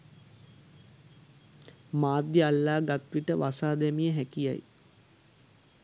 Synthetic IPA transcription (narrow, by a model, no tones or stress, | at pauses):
maːd̪jəalːaːɡat̪ʋiʈəʋasaːd̪ɛmijəɦækija̰j